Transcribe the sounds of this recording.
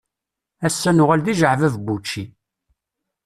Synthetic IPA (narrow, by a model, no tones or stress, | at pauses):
æsːænʊʁælðiʒəʕvævbut͡ʃːi